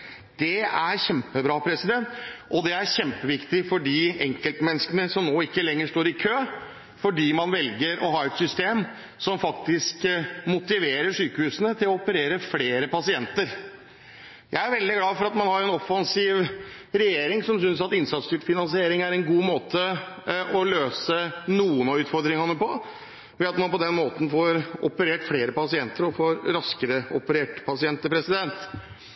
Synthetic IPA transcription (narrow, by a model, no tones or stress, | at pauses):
d̪̥ɛæɾɕɛmpəbɾɑːpʰɾɛsɪd̪ɛnt̪ʔɔd̪ɛæɾçɛmpəʋɪkt̪ɪfɔɖiːɛŋkəlt̪mɛnːskənəsɔmnoːɪkːəlɛŋːəʂʈ̪oːɾɪkʰøː | fɔɖiːmɑnʋɛlɡəɾʔɔɦɑːɾɛt̪sʏst̪eːm | sɔmfɑkt̪ɪskmʊt̪ɪʋeːɾəʂyːkəhʉːsənət̪ʰɪlɔɔpəɾeːɾəfleːɾəpɑsɪɛnt̪əɾ | jʔæ̰ɪæɾʋɛld̪ɪɡlɑːfɔɾɑt̪mɑnhɑɾɛnɔfːɑnsiːʋɾɛjeːɾɪŋsɔmsʏnsɑt̪ɪnsɑt̪st̪yːʈfɪnɑnsɪeːɾɪŋæɾɛnɡuːmoːt̪ə | ʔɔløːsənuːənɑʉːt̪fɔɾd̪ɾɪŋhɑnːəpɔ | ʋɛɑt̪mɑnpɔd̪ɛnmoːt̪n̩foːɾɔpəɾeːʈfleːɾəpɑsɪɛnt̪əɾɔfoːɾɾɑskəɾəɔpəɾeːʈpʰɑsɪɛnt̪əpʰɾɛsɪd̪ɛnt̪